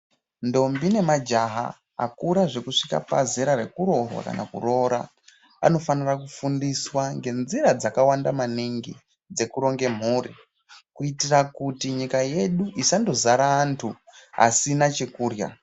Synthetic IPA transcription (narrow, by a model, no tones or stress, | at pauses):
ndo̞mbine̞mad͡ʒaɦa̰ | a̰kuɾaʐe̞kuʂika̰pa̰zeɾare̞kuɾo̞rwa̰ka̰na̰kṵro̞ɾa̰ | a̰no̞fanirakufundiswaŋɡe̞nziɾad͡zakawandamaniŋɡḭ | d͡ze̞kuɾo̞ŋɡe̞m̤uːrḭ | kuitirakutiɲikaje̞ɗuʔisando̞zaɾaːntʰuɦa̰sinat͡ʃe̞kuːrja̰